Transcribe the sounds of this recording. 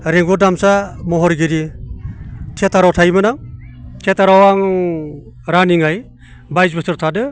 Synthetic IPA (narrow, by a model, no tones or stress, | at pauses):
ɾiŋɡudamsamɔɦɔɾɡiɾi | tʰetaɾawtʰajmɯnaŋtʰetaɾawaŋ | ɾaniŋaj | bajzbɯsɯɾtʰadɯ